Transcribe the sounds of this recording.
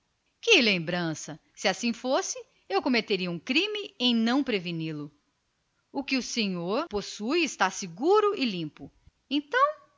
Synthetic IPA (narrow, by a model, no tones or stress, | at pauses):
kɪlẽmbɾɐ̃sɐ | sɪasĩfosɪ | ewkomet̪eɾiɐũkɾĩmɪẽj̃nɐ̃w̃pɾevinilʊ | ʊkɪʊsẽɲoɾposujɪst̪aɾsɪɡuɾʊɪlĩpʊ | ẽnt̪ɐ̃w̃